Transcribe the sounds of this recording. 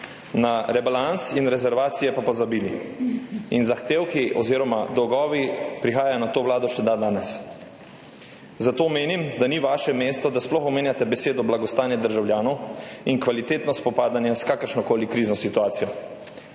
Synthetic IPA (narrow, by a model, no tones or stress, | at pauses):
naɾɛbalansinɾɛzɛɾʋaːt̪sijɛpapɔzabiːli | inzaxt̪eːwkiʔɔ̰ziːɾɔma̰d̪ɔwɡɔːʋipɾixaːjajɔnat̪oːʋlaːd̪ɔʃɛd̪ad̪aːnɛs | zat̪oːmeːnimd̪aniʋaːʃɛmeːst̪ɔd̪asplɔxɔmeːnjat̪ɛbɛseːd̪ɔblaɡɔst̪aːnjɛd̪əɾʒawljaːnɔwinkʋalit̪eːt̪nɔspɔpaːd̪anjɛskaːkəɾʃnɔkoːlikɾiːznɔsit̪uaːt̪sijɔ